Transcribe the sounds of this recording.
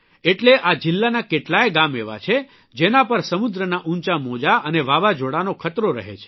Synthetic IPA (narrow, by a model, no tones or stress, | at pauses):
eʈleʔad͡ʒɪlːanakeʈlaeɡameʋa̰t͡ʃʰe | d͡ʒenapəɾsəmud̪ɾənaʔũɲt͡ʃamod͡ʒaʔəneʋaʋad͡ʒoɽanokʰət̪ɾoɾə̰ɦḛt͡ʃʰe̥